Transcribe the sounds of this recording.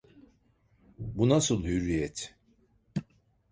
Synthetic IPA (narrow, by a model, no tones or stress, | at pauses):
bunasɨlˠhyɾijɛt̪